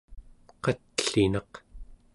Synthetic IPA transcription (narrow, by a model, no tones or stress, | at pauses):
qɑt̪ɬinɑq